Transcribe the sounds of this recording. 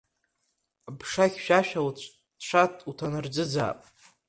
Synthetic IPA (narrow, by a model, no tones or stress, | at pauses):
bʂaχʲʃᶣaʃᶣawt͡ɕʷʰʼ | ʂʷʰatʼutʰanɨrd͡zɨd͡za̰ːpʼ